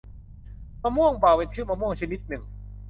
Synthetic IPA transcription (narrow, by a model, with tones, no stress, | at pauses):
ma˧mu˥˩əŋpaː˨˩we˧nt̪ʰɯ˥˩ma˧mu˥˩əŋt͡ɕʰa˧ni˦˥t̪̚nɯ˨˩ŋ